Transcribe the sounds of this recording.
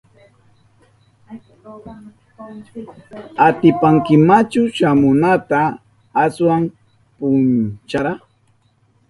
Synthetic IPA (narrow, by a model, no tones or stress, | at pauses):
at̪ɪpaŋkɪmat͡ʃʊʃamʊnat̪aː | swam | pʊnt͡ʃaɾa